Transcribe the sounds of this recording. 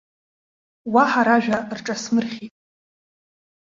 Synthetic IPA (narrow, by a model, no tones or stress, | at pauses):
waħaɾaʒᶣarʈ͡ʂʼasmɨrχʲitʼ